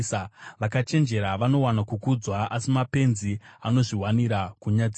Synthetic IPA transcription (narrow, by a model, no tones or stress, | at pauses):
ʋakat͡ʃe̞nd͡ʒe̞ɾaʋano̞wanakukud͡zwaʔasimape̞nziano̞ʐiɦwaniɾakuɲad͡zi